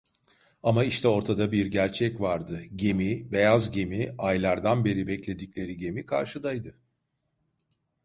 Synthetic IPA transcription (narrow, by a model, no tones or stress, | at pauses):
amaiʃt̪ʰɛo̞ɾt̪ʰad̪abiɾɟæɾt͡ʃʰɛcvaɾd̪ɯɟe̞mibe̞jazɟe̞miajlˠaɾd̪anbe̞ɾibɛclʲe̞d̪icʲlʲe̞ɾiɟe̞mikʰa̰ɾʃɯd̪ajd̪ɯ